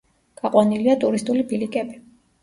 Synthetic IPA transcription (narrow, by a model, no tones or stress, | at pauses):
ɡ̥aqʼwaniliat̪ʼuɾist̪ʼulibilikʼɛbi